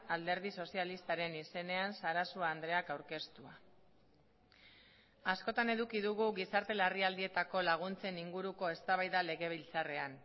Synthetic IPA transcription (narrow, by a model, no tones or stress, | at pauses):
ald̪e̞ɾð̞iso̞sialist̪aɾe̞nise̞ne̞ansaɾasuaːnd̪ɾe̞akawɾke̞st̪ua | asko̞t̪ane̞ðukiðuɣuɣisaɾt̪e̞lariald̪ie̞t̪ako̞laɣ̞unt͡se̞niŋɡuɾuko̞e̞st̪aβajðale̞ɣe̞β̞ilt͡sare̞an